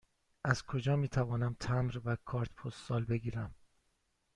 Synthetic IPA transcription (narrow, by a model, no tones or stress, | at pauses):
ʔæzkʰo̞d͡ʒɒːmiːt̪ʰævɒːnæmt̪ʰæmɾvækʰɒːɾt̪pʰost̪ːsɒːlbe̞ɡiːɾæm